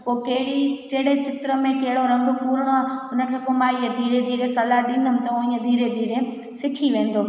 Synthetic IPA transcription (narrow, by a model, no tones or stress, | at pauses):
pokɐɦɪɽikɐɦɪɽet͡ɕɪt̪ɾəmẽkɐɦɪɽoɾɐ̃ŋɡkuːɾəɽ̃oaʊnə̆kʰeːpomãːied̪ʱiːɾed̪ʱiːɾesɐlaɗĩːn̆d̪əm̃t̪ɐʊ̃ĩed̪ʱiːɾed̪ʱiːɾe | sɪkʰiʋẽːnd̪o